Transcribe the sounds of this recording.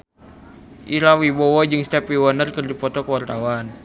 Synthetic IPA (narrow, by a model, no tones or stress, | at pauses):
ʔiɾawibɔwɔd͡ʒɨŋst̪ɛpiwənərkɨrdipɔt̪ɔkəwart̪awan